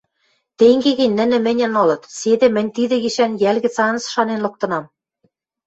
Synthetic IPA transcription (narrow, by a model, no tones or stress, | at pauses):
t̪eŋɡeɣɘ̆nʲnɘ̆nɘ̆mɘ̆nʲɘ̆nŏlɤ̆t̪sed̪ĕmɘ̆nʲt̪id̪ɘ̆ɣiʃænjælɣɘ̆t͡sɑnɤ̆sʃɑnenlɤ̆k̚t̪ɤ̆nɑm